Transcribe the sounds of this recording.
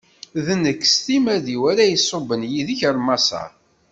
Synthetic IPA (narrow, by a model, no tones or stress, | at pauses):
ðənːəkːst̪imæðiwæɾæjəsˤːobənjiðəçəɾmɑsɑ̰